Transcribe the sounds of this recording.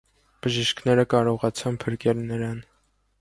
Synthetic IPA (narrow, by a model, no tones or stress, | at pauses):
b̥əʒiʃkʰnɛɾəkɑɾɔʁɑt͡sʰɑnpʰəɾkɛlnəɾɑn